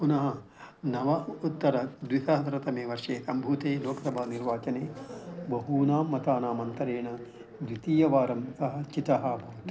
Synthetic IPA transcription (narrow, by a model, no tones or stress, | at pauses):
punɐɦɐ | nɐʋɐut̪ːɐɾɐd̪ʋisɐɦɐt̪ɐɾɐt̪ɐmeːʋɐɾʂeːsɐmbʱuːt̪eːloːkɐsɐbʱaːniɾʋaːt͡ʃɐneːbɐɦuːnaːmːɐt̪aːnaːmɐnt̪ɐɾeːɳɐ | ʋɾit̪iːjɐʋaːɾɐmsɐɦɐ̆t͡ʃit̪ɐɦɐbʱɐʋɐt̪i